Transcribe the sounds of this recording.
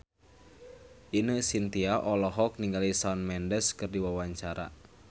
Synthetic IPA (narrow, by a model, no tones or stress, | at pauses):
ʔinəsint̪iaʔɔlɔɦɔk̚niŋɡalisanmɛndɛskɨrdiwawaɲt͡ʃaɾa̰